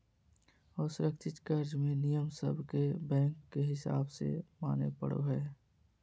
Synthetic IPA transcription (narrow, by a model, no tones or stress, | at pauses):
ɔːɾsʊɾəkt͡ʃɪt̪kəɾd͡ʒmẽnijəmsə̰bʱkebɛ̃ːŋkːeɦɪsa̰ːbsḛmaːnḛpə̰ɽo̰ɦɛː